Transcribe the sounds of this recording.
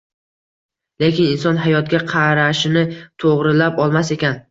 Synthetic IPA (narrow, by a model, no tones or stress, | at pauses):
le̞kʲɪnɪnsɒnɦajɒt̪̚ɡʲaqʰɑɾaʃɪnɪt̪ʰoʁɾɪlapɒlˠmase̞kʲan